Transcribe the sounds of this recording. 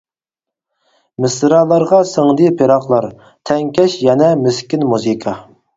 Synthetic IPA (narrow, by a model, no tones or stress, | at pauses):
mɪsɾɑlˠɑɾʁɑsəŋd̪ipʰeɾɑqlˠɑɾ | t̪ʰɛŋkʲɛʃjɛnɛmyskʲinmuzikʰɑ